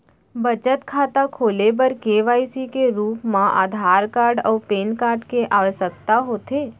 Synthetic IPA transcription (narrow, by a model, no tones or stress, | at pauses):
bət͡ʃət̪kʰaːt̪akʰoːlebəɾkeːʋaːisikeɾuːpmãʔa̰ːd̪ʱaːɾkaːɾɖɔːɾpeːnkaːɾɖkeʔaːʋəʃəkt̪aɦoːt̪eː